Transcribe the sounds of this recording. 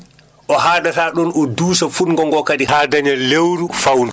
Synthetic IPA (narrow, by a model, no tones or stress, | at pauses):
ʔɔɦaːdataːɗɔnɔduːsafuɗŋɡɔŋɡɔkadihaːdaɲalewɾufawnd